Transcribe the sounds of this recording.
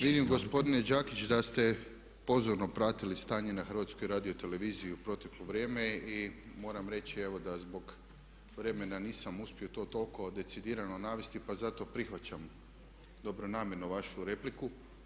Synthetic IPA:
ʋid̪imɡo̞spo̞d̪ine̞d͡ʒaːkit͡ɕd̪ast̪e̞ | po̞zoɾno̞pɾaːt̪ilist̪aːɲe̞naxəɾʋaːt̪skojɾaːd̪io̞t̪e̞le̞ʋiːzijuupɾo̞t̪e̞kloʋɾjeːme̞imo̞ːɾamɾe̞t͡ɕieʋo̞d̪azbo̞ɡ | ʋɾe̞menaniːsamuspio̞t̪o̞ːt̪o̞lˠko̞d̪e̞t̪sid̪iːɾanonaːʋest̪ipazat̪o̞pɾixʋat͡ɕam | d̪o̞bɾonaːmje̞ɾnuʋaʃuɾe̞pliku

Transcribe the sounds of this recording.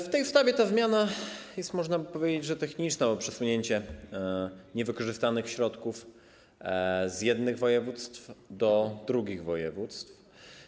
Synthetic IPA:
ft̪ɛjst̪avʲɛt̪azmʲjanajɛst̪mɔʐnapɔvʲjed͡ʑed͡ʑʐɛt̪ɛxɲit͡ʂnɛɔpʂɛsuɲeɲt͡ɕɛ | ɲɛvɘkɔʐɘst̪anɘxɕɾɔt̪kuf | zjɛd̪nɘɣvɔjɛvut̪st̪fd̪ɔd̪ɾuɡʲiɣvɔjɛvut̪st̪f

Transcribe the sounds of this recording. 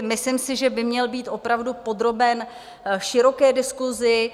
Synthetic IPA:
mɪslɪmsɪʒɛbɪmɲɛlbiːt̪ʔo̞pɾavdupo̞d̪ɾo̞bɛn | ʃɪɾo̞kɛːdɪskuzɪ

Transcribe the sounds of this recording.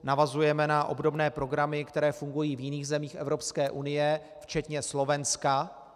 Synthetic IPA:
navazujɛmɛnaʔo̞̰bdobnɛːpɾo̞ɡɾamɪkt̪ɛɾɛːfuŋɡujiːvjɪniːxzɛmiːxʔɛvɾo̞pskɛːʔunɪjɛ | ft͡ʃɛt̪ɲɛslo̞vɛnska

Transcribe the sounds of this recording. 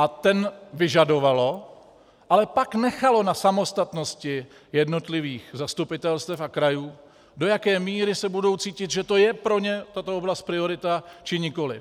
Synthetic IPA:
ʔat̪ɛnvɪʒado̞valo̞ | ʔalɛpaknɛxalo̞nasamo̞st̪at̪no̞scɪ | jɛdno̞t̪lɪviːxzast̪upɪt̪ɛlst̪ɛfakɾajuː | do̞jakɛːmiːɾɪsɛbudo̞wt͡siːcɪt̪ʒɛt̪o̞jɛpɾo̞ɲɛt̪at̪ooblast̪̚pɾɪo̞ɾɪt̪at͡ʃɪɲɪko̞lɪ̰f

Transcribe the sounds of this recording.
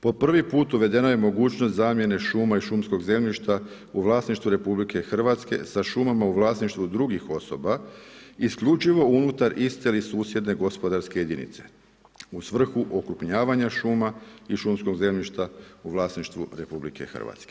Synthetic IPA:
po̞pr̩ʋipuːt̪uʋe̞d̪e̞noje̞mo̞ɡuːt͡ɕnost̪zaːmje̞ne̞ʃuːmaiʃumsko̞ɡze̞mʎiʃt̪a | uʋlˠaːsniʃt̪ʋuɾe̞publike̞xr̩ʋat̪ske̞̰saʃumamauʋlˠaːsniʃt̪ʋud̪ɾuɡixo̞so̞̰baiskʎut͡ʃiʋo̞unut̪aɾist̪elisuːsje̞d̪ne̞ɡo̞spo̞d̪aɾskejed̪inḭt̪se̞̥̰ | usʋr̩xuʔo̞kɾupɲaːʋaɲaʃuːmaiʃumsko̞ɡze̞mʎiʃt̪auʋlˠaːsniʃt̪ʋṵɾe̞publḭke̞̰xr̩ʋa̰t̪ske

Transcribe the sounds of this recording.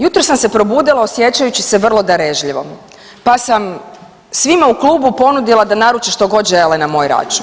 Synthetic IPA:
jut̪ɾosamse̞pɾo̞buːd̪ilˠaosje̞t͡ɕajut͡ɕiseʋr̩lˠo̞d̪aɾeʒʎiʋo̞̰ | pasam | sʋimaukluːbupo̞nud̪ilˠad̪anaɾut͡ʃeʃt̪o̞ɡo̞d̪ʒe̞lenamo̞ːjɾa̰t͡ʃun

